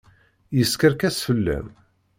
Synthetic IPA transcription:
jəskəɾkæsfəlːæ̰m

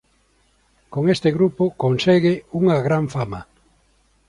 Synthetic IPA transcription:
koŋest̪ɪɣɾupʊkonseɣɪuŋɐɣɾaɱfama

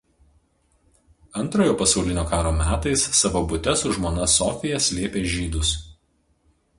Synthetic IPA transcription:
ɐnˑt̪ɾoːjoːpɐsɒʊlʲɪnʲoːkɑːɾoːmʲæːt̪ɐɪsːɐʋobʊt̪ʲɛsʊʒmoːnɐsɔːfʲɪjɛsʲlʲiɛpʲeːʒʲiːd̪ʊs

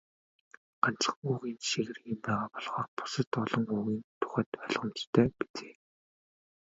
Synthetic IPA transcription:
ɢ̥an̥t͡sə̥̆χuːɣiːnʃeɣɘ̆rɣimpæːʁaːpɔɮʁ̥ɔːrpʊ̥sə̆t̪ɔɮɞ̆ŋuːɣiːnt̪ʰʊ̥χæ̆ːt̪œɮʁə̆mt͡ɕt̪ʰːæːpi̥t͡se̥ː

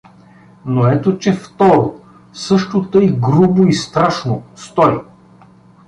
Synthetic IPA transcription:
noɛt̪ot͡ʃɛft̪ɔɾo | sɤʃt̪ot̪ɤjɡɾuboist̪ɾaʃnost̪ɔj

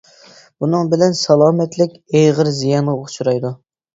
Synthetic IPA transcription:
bunɨŋbɪlɛnsɑlˠɑːmɛt̪lɪkʲejʁəɾzijɑnʁɑot͡ʃuɾɑjd̪u

